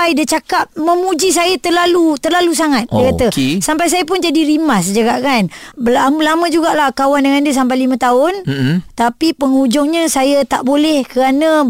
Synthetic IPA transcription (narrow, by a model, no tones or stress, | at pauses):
ajdət͡ʃakap̚mə̃mud͡ʒis̬ajət̪ərlalut̪ərlalus̬aŋat̪̚dijəkaəsampajs̬ajəp̬ʊnd͡ʒadiɾimasd͡ʒəɡaʔkanbəlamlamə̃d͡ʒuɡaʔlahkawandəŋandəs̬ampajlimə̃t̪aʊnt̪apipəŋud͡ʒɔŋɲəsajat̪aʔbolɛhkəɾanə̃